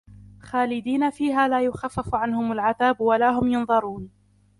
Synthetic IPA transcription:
xaːlɪd̪iːnafiːɦaːlaːjʊxafːafʕanhʊmalʕaðaːbwalaːɦʊmjɑnðˤɑɾˤuːn

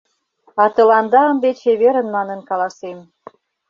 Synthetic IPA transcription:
ɑt̪ə̆lɑnd̪ɑə̆nd̪et͡ɕeβeɾə̆nmɑnə̆nkɑlɑsem

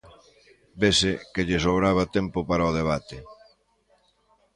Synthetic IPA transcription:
besɪkeʎɪsoβɾaβ̞ɐt̪empʊpaɾaoð̞eβ̞at̪ɪ

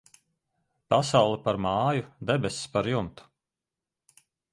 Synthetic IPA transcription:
pasawlˠɛpaɾmaːjud̪ebʲesspaɾjunt̪u̥

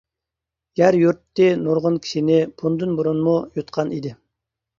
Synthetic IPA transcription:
ɡ̥ʲæɾjuɾt̪ːɪnoɾʁʊnkʲʰi̥ʃinɪpʰund̪ɨnboɾunmujot̪̚qʰɑnid̪ɪ

